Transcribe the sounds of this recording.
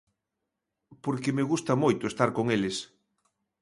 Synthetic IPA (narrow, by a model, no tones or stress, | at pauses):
poɾkemeɣust̪ɐmojt̪ʊest̪aɾkoŋelɪs